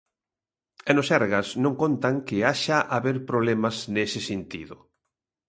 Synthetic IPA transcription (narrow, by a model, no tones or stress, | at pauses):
ɛnosɛɾɣasnõŋkont̪aŋkɪaʃaʔaβeɾpɾoβlɛmɐsnesɪsent̪ḭðʊ